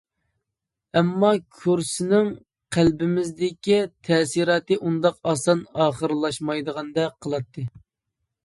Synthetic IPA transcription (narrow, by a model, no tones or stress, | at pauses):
ɛmːɑkʲʰuɾsɪnɪŋ | qʰælbɪmɪzd̪ɪkʲit̪ʰɛːsiɾɑːt̪ɨʔund̪ɑqɑsɑnɑːχəɾlˠɑʃmɑjd̪əʁɑnd̪ɛqʰːəlˠɑt̪ʰːɨ